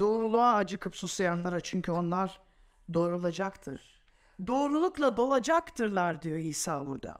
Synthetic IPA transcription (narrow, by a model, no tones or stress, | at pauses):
d̪̥o̞ːɾulˠuaːd͡ʒɯkʰɯpsusajanlˠaɾat͡ʃʰyɲcʰyo̞nlˠaɾ | d̪o̞ːɾolˠad͡ʒakt̪ʰɯ̰ɾ̥ | d̪o̞ːɾulˠuklˠad̪o̞lˠad͡ʒakt̪ʰɯɾlˠaɾd̪ijo̞iːsaːbuɾd̪a̰